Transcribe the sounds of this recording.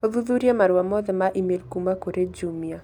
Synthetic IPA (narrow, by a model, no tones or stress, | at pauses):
oðuðuɾjemaɾwamɔðɛmaʔimelkumakoɾed͡ʒumia